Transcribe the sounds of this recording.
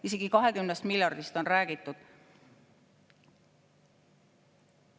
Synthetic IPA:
ise̞ɡ̥ikɑɦe̞kymnest̪miljɑrd̪ist̪o̞nræːɡ̥it̪ːˑud̪̥

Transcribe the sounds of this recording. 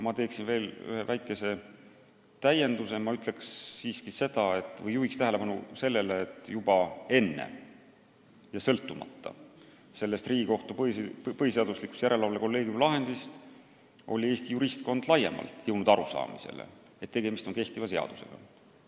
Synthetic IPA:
jɑmɑt̪e̞ːksinve̞ːly̰he̞væjkːˑe̞se̞ | t̪æje̞nd̪̥use̞mɑyt̪le̞ksːiːskise̞d̪̥ɑe̞t̪ːˑvɤjːuhikst̪æɦele̞pɑnuse̞lːe̞leːt̪ːˑjubɑe̞nːe̞̰ | jɑsɤlt̪ːˑumɑ̰t̪ːɑ̰ | se̞lːe̞st̪riːɡiko̞ht̪upipɤɦiseɑd̪̥uslikːˑu̥st̪jæɾe̞lɑvɑleko̞lːe̞ːɡ̥jumlɑɦe̞nd̪̥ist̪ | ʔo̞̰lʲie̞ːst̪ijuɾist̪ko̞nd̪̥lɑjemɑ̰lt̪ˑjɤwnud̪̥ɑɾusɑ̰ːmise̞̰lḛ | et̪ːe̞ɡ̥e̞mist̪o̞nke̞ht̪ivɑse̞ɑ̰d̪̥u̥se̞̰ɡ̥ɑ̰

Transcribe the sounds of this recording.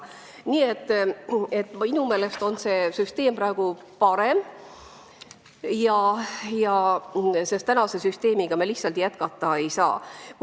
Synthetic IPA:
niːe̞t̪ːˑe̞t̪ːˑinume̞ːle̞st̪o̞nse̞syst̪e̞ːmprɑeɡ̥u | pɑɾe̞m | jɑjɑ | se̞st̪ːænɑse̞syst̪e̞ːmiɡ̥ɑmelihtsɑlt̪jæt̪kɑt̪ːˑɑe̞jsɑ̰ː

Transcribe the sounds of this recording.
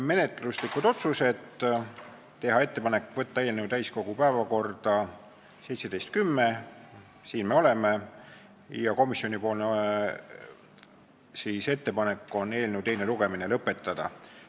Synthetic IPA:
me̞ne̞t̪ˑluslikːˑud̪̥o̞t̪suse̞t̪ː | e̞ɦɑe̞t̪ːe̞pɑne̞kːˑvɤt̪ːɑeːlnewd̪æjsko̞ɡ̥upæevɑko̞rd̪̥ɑ | se̞jt̪se̞d̪e̞jst̪̚kymːe̞ | siːnme̞o̞le̞me̞ | jɑko̞misːio̞nipo̞ːln | siːse̞t̪ːe̞pɑne̞kːˑo̞nːe̞ːlnewt̪e̞jne̞luɡ̥e̞minelɤpːˑe̞t̪ːˑɑd̪̥ɑ̰

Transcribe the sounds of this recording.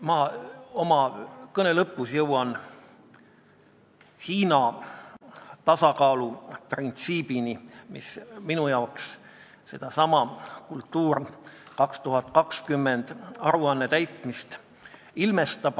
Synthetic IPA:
mɑomɑkɤne̞lɤpːˑusjɤwɑn | hiːnɑ | t̪ɑsɑkɑːluprint̪siːb̥inimḭsminujɑowks | se̞d̪̥ɑsɑmɑkult̪ːˑuːrkɑkst̪uɦɑt̪kɑkskymːend̪̥ɑɾuɑnːe̞t̪æjt̪ˑmist̪ | ilme̞st̪ɑb̥

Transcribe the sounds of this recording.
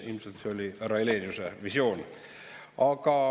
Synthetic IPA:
ḭlmiselt̪seolʲirɑileːnʲiusevisjo̞ːn | ɑkɑ

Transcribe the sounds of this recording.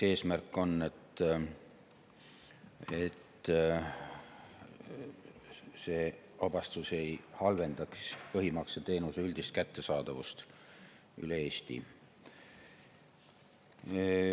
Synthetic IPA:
e̞ːsmærkːˑo̞nːe̞t̪ː | e̞t̪ː | se̞ː | ɑb̥ɑst̪use̞jhɑlve̞nd̪ɑkspɤɦimɑkset̪e̞ːnuseyld̪ist̪̚kæt̪ːe̞sɑːd̪̥ɑvust̪ | y̰leeːst̪ḭ

